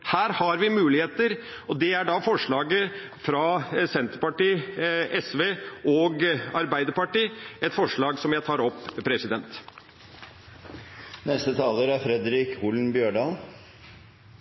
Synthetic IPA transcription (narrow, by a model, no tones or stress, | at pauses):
hæːɾhɑɾʋɪmʉːlɪheːt̪əɾ | ɔd̪ɛæɖɑfɔʂɭɑːɡə | fɾɑsɛnt̪əɾpɑʈiːʔɛsʋeːʔɔɡɑɾbæɪd̪əɾpɑʈiːɛt̪fɔʂɭɑːɡsɔmjæɪt̪ʰɑːɾɔpːpʰɾɛsɪd̪ɛnt̪ | nɛst̪ət̪ʰɑːləːɾæɾfɾɛd̪ɾɪːkʰuːln̩bjøːɖɑːl